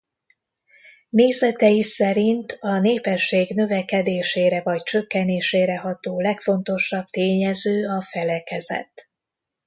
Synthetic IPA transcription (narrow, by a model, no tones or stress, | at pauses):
neːzɛt̪ɛjisɛɾint̪ɒneːpɛʃːeːɡnø̞vɛkɛd̪eːʃeːɾɛvɒct͡ʃø̞kːɛneːʃeːɾɛɦɒt̪oːlɛkfo̞nt̪o̞ʃɒb̚t̪eːɲɛzøːɒfɛlɛkɛzɛ̰t̪